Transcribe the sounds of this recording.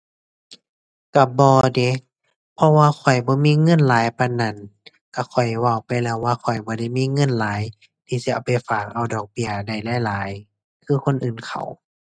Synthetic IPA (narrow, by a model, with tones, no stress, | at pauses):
ka˧˩bɔː˧de˧˦ | pʰɔ˧waː˧kʰɔ˨˩jbɔː˧˦miː˧˥˨ŋɤ˧˥˨nlaː˨˦jpa˧˨nːa˧˩˨n | ka˧˩kʰɔ˨˩jwa˧˩wpa˧˨jlɛː˧˩˨wːaː˧kʰɔ˨˩jbɔː˧˦da˧˩˨jmiː˧˥˨ŋɤ˧˥˨nlaː˨˦j | t̪ʰiː˧˩si˧˦a˧˩wpa˨jfaː˨˩k̚ʔa˧˩wdɔː˨˩k̚bi˧ɐda˧˩jlɛː˧˥˨jlaː˨˦j | kʰɯː˧˥˨kʰo˧˥˨nʔɯː˨˩nkʰa̰˨˩w